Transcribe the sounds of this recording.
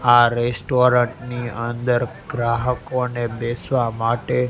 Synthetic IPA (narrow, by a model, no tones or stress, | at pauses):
aɾesʈoɾə̃ɳʈniənd̪əɾɡɾaɦəkonebesʋamaʈe